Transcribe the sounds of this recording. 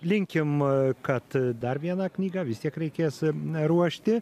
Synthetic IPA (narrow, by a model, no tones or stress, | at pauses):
lʲɪŋʲkʲɪmkɐt̪d̪ɐrʋʲiɛnɐknʲiːɡɐʋʲɪst̪ʲiɛkɾʲɛɪkʲeːsɾuɔʃʲt̪ʲɪ